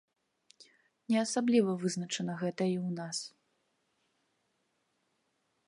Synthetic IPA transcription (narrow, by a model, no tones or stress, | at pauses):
nʲɛɐsablʲivɐvɨznɐt͡ʂɐnɐɣɛt̪ɐiwnas